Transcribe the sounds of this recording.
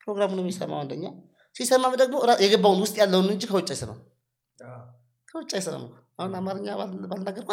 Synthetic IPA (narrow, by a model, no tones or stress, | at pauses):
pɾoɡɾamunəmisə̰mːa̰wand̪əɲːa | sisəmːaməd̪əɡmoɾajɛɡəbːawunwʊst̪ʼjalːəwunɨnɨt͡ʃːikʰəwɔt͡ʃʼːajsəna̰m | kʰəwɔt͡ʃʼːajsəna̰ma̰ | aunamaɾɨɲːabalnaɡəɾkʰʷa